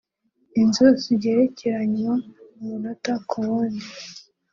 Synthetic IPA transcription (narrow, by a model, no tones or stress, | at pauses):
inzoziɾɟeːɾeceɾaɲwaumunotakʰowoni